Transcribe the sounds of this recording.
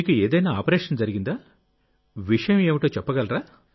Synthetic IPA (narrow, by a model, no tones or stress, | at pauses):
iːkueːd̪ɐjnaːaːpɐɾɛːʂɐnd͡zɐɾiɡind̪aː | ʋiʂɐjɐmeːʋiʈo̞ːt͡ʃɛpːɐɡɐlɾaː